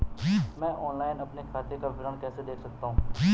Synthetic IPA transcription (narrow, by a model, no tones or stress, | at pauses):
imɛ̃ːʔɔːnlaːɪnɐpnekʰaːt̪ekaʋɪɾəɳkɛːsed̪eːkʰsɐk̚t̪aɦũːiː